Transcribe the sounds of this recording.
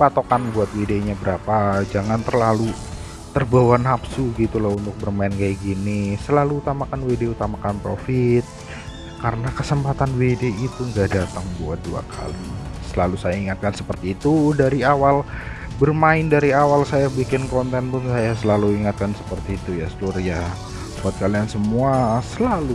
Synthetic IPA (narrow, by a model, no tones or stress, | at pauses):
pat̪okanbuat̪̚wedeɲabəɾapad͡ʒaŋant̪ərlalu | t̪ərbawanapsuɡit̪ulahunt̪ʊk̚bərmaɪnkajaɡinisəlaluːt̪amakanwedeut̪amakanpɾofɪt̪̚ | kaɾənakəsəmpat̪anwedeit̪uŋɡadat̪əŋbuadua̰kʰa̰lisəlalusajaiŋat̪̚kansəpərt̪iːt̪udaɾiawal | bərmaɪndaɾiawalsajabikɪnkɔnt̪ɛnpʊnsajasəlaluiŋat̪̚kansəpərt̪iːt̪ujasəlurja | bat̪̚kaliansəmuasəlalu